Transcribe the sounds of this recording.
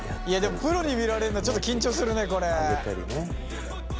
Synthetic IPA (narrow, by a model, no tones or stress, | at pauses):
iad̪e̞mopɯ̟ɾo̞ɲ̟imʲiɾaɾe̞ɾɯ̟not͡ɕo̞t̪ːokʲĩɲ̟t͡ɕo̞ːsɨɾɯ̟ne̞ko̞ɾeeaɾʲḭne